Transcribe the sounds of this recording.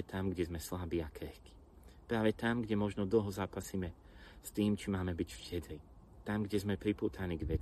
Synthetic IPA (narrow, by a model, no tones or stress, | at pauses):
ɛt̪ʰamɡɟɛzmɛslabiːakɾɛxki̥ | pɾaːʋɛt̪amɡɟɛmɔʒnɔd̪l̩ˠɦɔzaːpasiːmɛ | st̪iːmt͡ʃimaːmɛbicfcɛd̪ɾi | t̪amɡɟɛzmɛpɾipuːt̪ʰaniːɡʋɛ